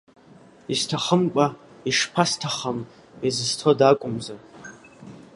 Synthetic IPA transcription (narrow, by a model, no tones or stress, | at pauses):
istʰaχəmkʷʼa | iʂpʰastʰaχam | izɨztʰodakʷʼʊmza